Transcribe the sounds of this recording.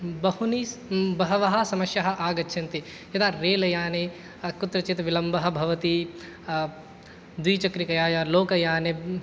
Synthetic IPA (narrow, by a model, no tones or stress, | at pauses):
bɐhunibɐɦɐʋɐɦɐsɐmɐʃjɐɦɐ̆ʔaːɡɐtːʃʰɐnt̪i | jɐt̪aːɾeːlɐjaːne | kut̪ɾɐt͡ʃit̪ʋilɐmbɐɦɐ̆bʱɐʋɐt̪i | d̪wiːt͡ʃɐkɾikɐjaːjɐloːkɐjaːne